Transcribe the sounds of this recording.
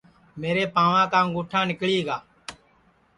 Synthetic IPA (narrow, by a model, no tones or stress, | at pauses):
meːɾeːpãːʋãːkãːɡoːʈʰãːnɪkɭiːɦːɡaː